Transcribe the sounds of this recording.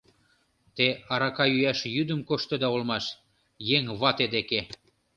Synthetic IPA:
t̪eɑɾɑkɑjyæʃjyd̪ə̆mkoʃt̪ɤd̪ɑolmɑʃ | jeŋβɑt̪ed̪eke

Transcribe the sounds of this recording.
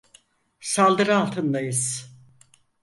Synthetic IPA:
salˠd̪ɯɾɯalˠt̪ʰɯnd̪ajɯz̥

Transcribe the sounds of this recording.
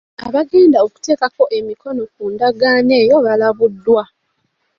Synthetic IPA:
a̰βaɡe̞ːndaoku̥te̞ːkako̞ʔe̞miko̞no̞kuːndaɡaːne̞ːjo̞βalaβudːwa

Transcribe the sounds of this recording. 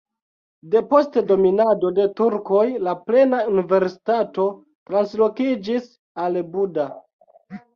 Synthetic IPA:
de̞po̞stedo̞minado̞de̞tuɾko̞jlaple̞naunive̞ɾsi̥tato̞ | tɾanslo̞kid͡ʒis | albuda

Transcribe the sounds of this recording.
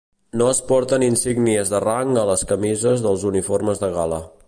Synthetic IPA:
noəspɔɾt̪əninsiɡniəzðəraŋələskəmizəzðəlˠzuniforməzðəɣalə

